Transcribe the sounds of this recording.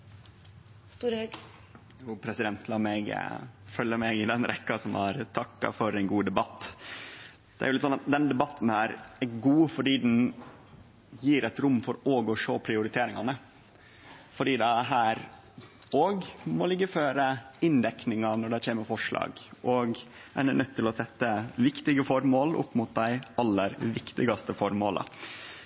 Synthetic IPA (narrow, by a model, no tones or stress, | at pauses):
st̪uːɾhøɡ | juːpʰɾɛsɪd̪ɛnt̪lɑːmɛɡ̰fœlːəmɛɡɪd̪ɛnɾʔɛ̰kːɑsɔmɑ̰ɾt̪ʰɑkːɑ̰fɔɾɛnɡuːd̪ɛbɑt̪ː | d̪̥ɛ̰æɾjʊlɪt̪sɔnɑt̪̚d̪ɛnd̪ɛbɑt̪ːn̩æɾɛɡuːfɔɖiːd̪n | jiːɾɛt̪ɾʊmːfɔɾoːɡɔʂoːpʰɾɪʊɾɪt̪ʰeːɾɪŋɑnə | fɔɖiːd̪ɛæɦæːɾ | oːɡmɔlɪɡːəføːɾəɪnd̪ɛknɪŋɑnɔɖæçʰeːməɾfɔʂɭɑ̰ːɡɔɡæ̰ɾɛnœt̪ʰːɪlɔsɛt̪ːəʋɪkt̪ɪɡəfɔɾmoːlʔʊ̰pːmʊt̪̚d̪æɪɑlːəɾʋɪkt̪ɪɡɑst̪əfɔɾmoːlə̰